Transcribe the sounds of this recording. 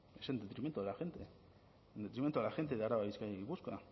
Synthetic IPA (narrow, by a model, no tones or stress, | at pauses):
esend̪et̪ɾiment̪oelaxent̪e | end̪e̞t̪ɾiment̪oelaxe̞nt̪eðeaɾaβaβiskajaiβuska